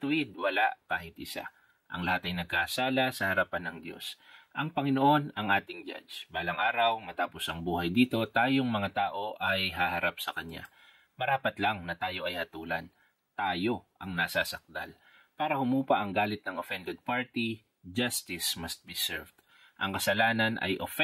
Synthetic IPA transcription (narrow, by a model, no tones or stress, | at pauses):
t̪ʊʔɪd̪wɐlaʔkaːhɪt̪ʔɪsa̰ | ʔɐ̰ŋlɐhat̪ɐjnɐɡ̚kɐʔɐsaːlɐsɐhɐɾapanːɐŋd̪jo̰sʔɐŋpɐŋɪno̞ʔo̞nɐŋʔaːt̪ɪŋd͡ʒa̰d͡ʒbaːlɐŋʔaːɾɐwmɐt̪aːpo̞sʔɐŋbuːhɐjd̪iːt̪o̞t̪aːjo̞ŋmɐŋat̪aːʔo̞ʔɐjɦahɐɾap̚sɐkɐɲa̰ | mɐɾaːpɐt̪lɐŋnɐt̪aːjo̞ʔɐjhɐt̪uːlɐn | t̪aːjo̞ʔɐŋnɐsasɐk̚d̪a̰l | paːɾɐhʊmuːpɐʔɐŋɡaːlɪt̪̚nɐŋofɛnd̪ɛd̪̚paɹt̪i | d͡ʒɐst̪ɪsmɐst̪̚bisɛ̰ɹvd̪̥ | ʔɐ̰ŋkɐsɐlaːnɐnʔɐ̰jʔofɛ